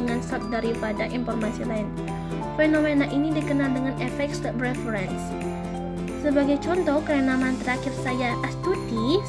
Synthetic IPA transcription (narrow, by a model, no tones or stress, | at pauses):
əŋansap̚daɾipadaʔinfɔrmasilaɪn | fenomenaʔinidikənaldəŋanɛfɛk̚tsdəbɾɛfəɾɛns | səbaɡajt͡ʃɔnt̪ɔhkəənamant̪əɾakɪrsajaʔast̪udi